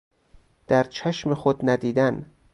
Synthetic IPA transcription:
d̪̥æɾt͡ʃʰæʃmexod̪næd̪iːd̪æn

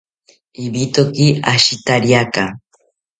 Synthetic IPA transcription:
ibit̪okiaʃit̪aɾiaka

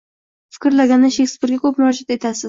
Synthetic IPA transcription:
fɪ̥kʲɪɾlaɡʲanːɪʃeksbuɾɡʲakʰɵpmʊɾɒd͡ʒat̪e̞t̪ʰasɪz

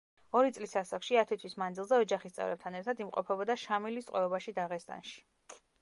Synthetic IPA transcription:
ɔɾit̪sʼlisasakʃiat̪ʰɛt̪ʰwismand̪zilˠzɛɔd͡ʒaχist̪sʼɛ̰vɾɛ̰p̚t̪ʰanɛɾt̪ʰad̪imqʼɔ̰pʰɛbɔd̪aʃamilist̪ʼwɛɔbaʃid̪aʁɛst̪ʼa̰nʃi̥

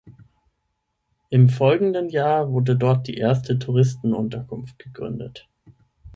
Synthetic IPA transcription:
ʔɪmfɔlɡŋ̩dənjaːvʊɐdədɔɐt̚d̥ḭːʔeːɐstʰətʰuʁ̞ɪstn̩ʔʊ̰ntɐkʰʊnft̚ɡ̥əɡ̥ʁʏ̰ndə̰t

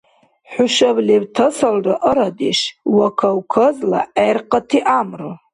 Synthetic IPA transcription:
ħʷʊʃablebtʰasalrɨʔəɾadiʂwakʰawkʰəzla̰ajrqʼatʰiʔamro

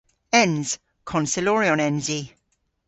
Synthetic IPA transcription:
ɛ̃nz̥ | kʰɔ̃nsɪlɔːɹiɔ̃nɛ̃nzi

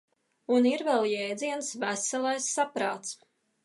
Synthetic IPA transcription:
uniɾvɛlˠjɛjd̪ziɛnsvæsɛlˠajsːapɾa̰ːt̪s

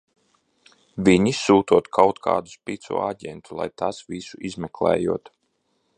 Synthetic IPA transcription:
viɲisuːt̪uɔt̪kʰawt̪kʰa̰ːd̪uspʲit̪sṵɔaɟʲɛ̰nt̪ulˠa̰jt̪asvisuʔizmɛklˠɛ̰ːjuɔt̪

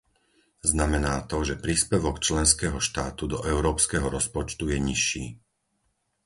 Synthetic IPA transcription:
znamɛnaːt̪ɔʒɛpɾiːspɛʋɔkt͡ʃlɛnskɛɦɔʃt̪aːt̪ud̪ɔʔɛʊɾɔːpskɛɦɔɾɔspɔt͡ʃt̪ujɛɲiʃːiː

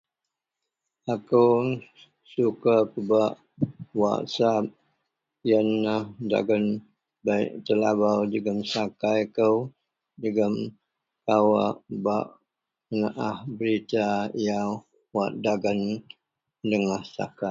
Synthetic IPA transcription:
akəw | sukakəbaʔ | wa̰ʔsap̚ | jənːahda̰ɡən | baḭʔt̪əlabawdəɡəmsakajkəw | dəɡəm | kawaʔbaʔ | ənaʔahbəɾit̪aja | waʔdaɡən | dəŋahsa̰ka

